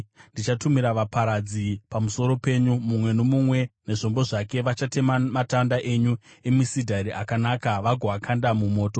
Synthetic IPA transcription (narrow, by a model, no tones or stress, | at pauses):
ndit͡ʃatumiɾaʋapaɾad͡zipamuso̞ɾo̞pe̞ɲumumwe̞no̞mumwe̞ne̞ʐo̞mbo̞ʐake̞ʋat͡ʃatemamatandaʔe̞ɲuemisidʱaɾiakanakaʋaɡʱoʋakʰandamumo̞ːto̞